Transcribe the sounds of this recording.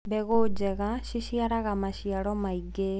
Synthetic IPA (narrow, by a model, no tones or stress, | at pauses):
bɛɣod͡ʒeɣaʃiʃiaɾaɣamaʃjaɾɔmaiɡe